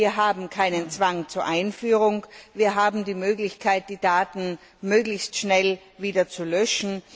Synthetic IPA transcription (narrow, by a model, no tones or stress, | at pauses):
iːɐɦaːbm̩kʰaɪnənt͡sv̥aŋt͡suːɐʔaɪnfyːʁʊŋviːɐɦaːbm̩diːmøːɡlɪçkʰaɪt̚d̥iːdaːtn̩ | møːɡlɪçstʃnɛl | viːdɐt͡sulœʃn̩